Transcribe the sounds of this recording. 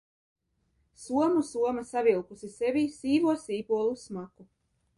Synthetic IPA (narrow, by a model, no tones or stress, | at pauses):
suɔmusuɔmasavilˠkusisevʲiːsiːvuɔsiːpuɔlˠusmaku